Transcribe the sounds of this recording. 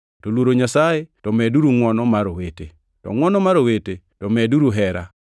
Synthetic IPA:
tolwoɾoɲasajetɔmɛduɾuŋwɔnɔmaɾowete | tɔ̰ŋwɔnɔmaɾowete | tɔmɛduɾuɦɛɾa̰

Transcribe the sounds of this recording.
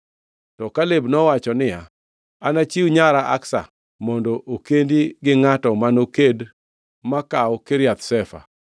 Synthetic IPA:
tɔkalebnɔwat͡ʃɔnɪja̰ | anat͡ʃiwɲaɾaʔa̰ksa̰ | mɔndɔʔokendiɡɪŋatɔmanoked | makawɔkeɾjat̪sɛfa̰

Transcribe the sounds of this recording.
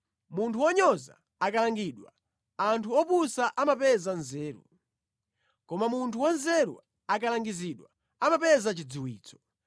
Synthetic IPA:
muntʰuwɔɲɔza̰ | akalaŋɡiːɗwa | antʰuɔpusaʔamapɛzanzɛːɾṵ | kɔmamuntʰuwanzɛɾṵ | akalaŋɡiziɗwa̰ | amapɛzat͡ʃid͡ziwḭːt͡sɔ̥

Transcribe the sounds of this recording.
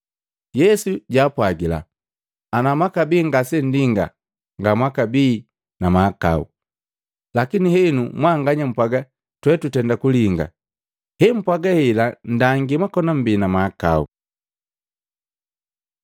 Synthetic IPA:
jɛsuɟaːpwaɡila̰ | anamwakabiːŋɡasɛn̩diŋɡa̰ | ŋɡamwakabiː | namaːka̰ṵ | lakinihɛnumwaŋɡaɲam̩pwaɡa | twɛtutɛndakuliŋɡa̰ | hɛm̩pwaɡahilan̩daŋɡimwakɔnam̩biːnamaːka̰ṵ

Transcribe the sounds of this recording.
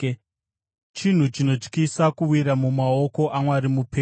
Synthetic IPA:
t͡ʃin̤ut͡ʃino̞t͡ʃkisakuwiɾamumao̞ko̞ʔamwaɾimupʰe

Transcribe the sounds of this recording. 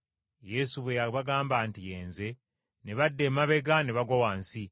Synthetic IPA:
je̞suβwejaβaɡaːmbaːntijeːnze̞ | neβadːe̞ːmaβe̞ɡaneβaɡawaːnsi

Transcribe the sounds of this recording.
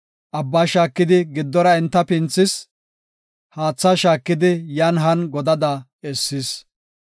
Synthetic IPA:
ʔɐbːɐːʃaːkːɪd̪ɪɡɪd̪ːɔɾɐɛnt̪ːɐpɪnt͡sːɪs | haːt͡sːɐʃaːkːɪd̪ɪjɐnɦɐnɡɔd̪ɐd̪ɐ | ɛsːɪs

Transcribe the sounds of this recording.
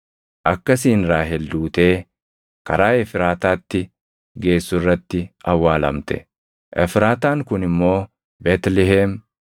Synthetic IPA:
ʔɐkːɐsiːnɾaːɦɛld̪uːt̪e̞ː | kɐɾaːɛfɪɾaːt̪aːt̪ːɪ | ɡe̞ːsːʊrːɐt̪ːɪɐwːaːlɐ̰mt̪ɛ̥̰ | ʔɛfɾaːt̪aːŋkʊnɪmːo̞ː | beːt̪lɛɦɛːm

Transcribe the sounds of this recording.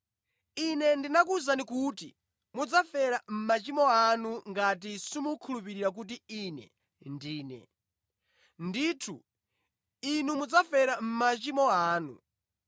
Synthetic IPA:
inɛndinakuzanikuti | mud͡zafɛɾam̩mat͡ʃimɔanuŋɡat̬isimukʰulupiɾiɾak̬ut̬iinɛ̰ | ndiːnɛ̰ | nditʰu | inumud͡zafɛɾam̩mat͡ʃimɔaːnṵ

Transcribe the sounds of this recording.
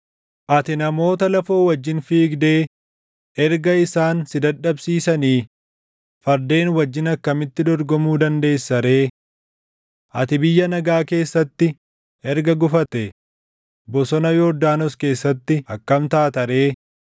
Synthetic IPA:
ʔɐt̪ɪnɐmo̞ːt̪ɐlɐfo̞ːwɐd͡ʒːɪnfiːɡd̪eː | ʔɛɾɡɐɪsaːnsɪd̪ɐᶑɐbsiːsɐniː | fɐɾd̪e̞ːnwɐd͡ʒːɪnɐkːɐmɪt̪ːɪd̪ɔɾɡɔmuːd̪ɐnd̪e̞ːsːɐɾe̞ː | ʔɐt̪ɪbɪjːɐnɐɡaːke̞ːsːɐt̪ːɪ | ɛɾɡɐɡʊfɐt̪ɛ | bɔsɔnɐjod̪aːnɔske̞ːsːɐt̪ːɪɐkːɐmt̪aːt̪ɐɾe̞ː

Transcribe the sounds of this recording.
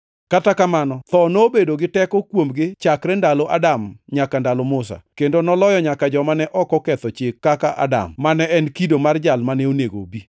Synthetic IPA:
katakamanɔt̪ɔnobedoɡɪtɛkɔkwomɡɪt͡ʃakɾɛndaloʔadamɲakandalomʊsa̰kendonɔlɔjɔɲakad͡ʒɔmanɛʔɔkɔkɛt̪ɔt͡ʃɪkːakaʔa̰da̰mːanɛɛnkidomard͡ʒalmanɛoneɡo̰bi

